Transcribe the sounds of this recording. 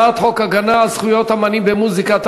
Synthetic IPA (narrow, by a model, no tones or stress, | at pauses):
at̪hokaɡanaːlz̥χujot̪hamanimbemuzikat̪